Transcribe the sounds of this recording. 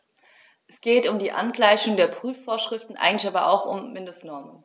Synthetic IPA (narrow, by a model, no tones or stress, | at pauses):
ʔɛsɡ̥eːtʊmdiːʔa̰nɡlaɪçʊŋdeːɐpʁ̥yːfːoːɐʃʁ̥ɪftn̩ʔa̰ɪɡŋ̩tlɪçaːbɐʔa̰ʊxʊ̰mːɪndʊsnɔɐmən